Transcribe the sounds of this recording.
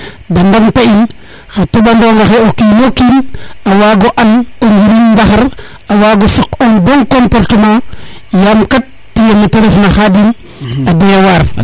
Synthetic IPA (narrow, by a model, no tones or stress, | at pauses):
dandamtain | xatobandoŋɡaxeokinokinawaɡoʔanoɲd͡ʒiɾindaxaɾ | awaɡosikonboŋkompoɾtema | jamkatːijeniteɾefnaxadin | adejawaɾ